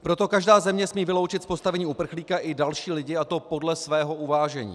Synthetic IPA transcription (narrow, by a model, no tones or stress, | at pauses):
pɾo̞t̪o̞kaʒdaːzɛmɲɛsmiːvɪlo̞wt͡ʃɪt̪spo̞st̪avɛɲiːupr̩xliːkaʔɪdalʃiːlɪɟɪat̪o̞po̞dlɛsvɛːɦo̞ʔuvaːʒɛɲḭː